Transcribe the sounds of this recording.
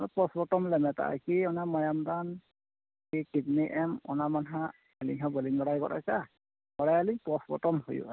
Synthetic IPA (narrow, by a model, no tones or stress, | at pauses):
nɔpɔsbɔtɔmlɛmɛta̰a̰kiɔnamɔjamdan | kikibniʔɛmɔ̰namanɦa | alḭŋɦɔbɔliŋɡɔɽajkɔ̰ta̰ka | bɔɽajalipɔsbɔ̰tɔmhojṵa